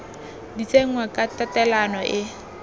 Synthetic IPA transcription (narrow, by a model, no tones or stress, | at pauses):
dit͡sʼeŋ̩wakʼatatɛlanɔʔɪ